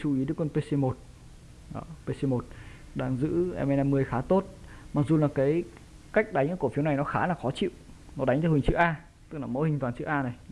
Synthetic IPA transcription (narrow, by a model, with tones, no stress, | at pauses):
t͡ɕu˧˩i˨˦ɗəː˨˦jkwə˧npe˧se˧mo˨˩t̚ | ʔəː˧˩pe˧se˧mo˨˩t̚ | ɗaː˧ŋzɨ̰˧˥ʔɛ̰˧mʔɛ˧na˧mɨ˧əjxaː˨˦t̪o˦˥t̚maː˨˩k̚zu˨˩laː˨˩kaː˨˦j | ka˦˥jk̟̚ɗa˨˦jŋ̟˧˩ku˧˩əfi˨˦əwna˨˩jnɔ˨˦xaː˨˦laː˨˩xɔ˨˦t͡ɕḭ˧˨wnɔ˨˦ɗa˨˦ŋ̟t̪a˧˩wï˨˩ŋ̟t͡ɕɨ̰˧˥ʔaː˧ | t̪ɨ˦˥k̚laː˨˩mo̰˧˥˦hï˨˩ŋ̟t̪waː˨˩t͡ɕɨ̰˧˥ʔaː˧na˨˩j